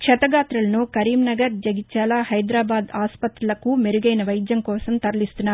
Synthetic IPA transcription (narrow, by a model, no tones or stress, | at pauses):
kʂɐt̪ɐɡaːt̪ɾulɐnukɐɾiːmnɐɡɐɾd͡ʒɐɡit͡ʃaːlaːhɐjd̪ɾaːbaːd̪aːspɐt̪ɾulɐkumeɾuɡɐjnɐʋɐjd̪jɐŋkɔːsɐmt̪ɐɾɐlist̪unːaːɾ